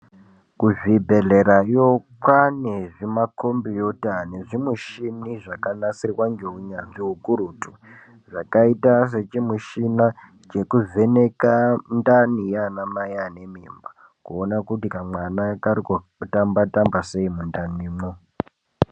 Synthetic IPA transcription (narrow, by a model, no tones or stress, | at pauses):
kuvibʱe̞ɮe̞ɾajokwaneʐimako̞mbijotane̞ʐimuʃiniʐakanasirwaŋɡeuɲanʐiɦukuɾutu̥ | ʐakaitas̬e̞t͡ʃimuʃina | t͡ʃe̞kuve̞nekandanijanamajane̞mimba | kuonakutikamwanakaɾiko | tambatambase̞imundaniːmo